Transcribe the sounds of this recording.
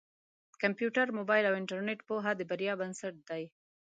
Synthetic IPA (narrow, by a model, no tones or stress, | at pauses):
kampjuʈaɾmobɑjlawɪɳʈaɾneʈpoɦad̪əbaɾjɑbansaʈ̚d̪̥aj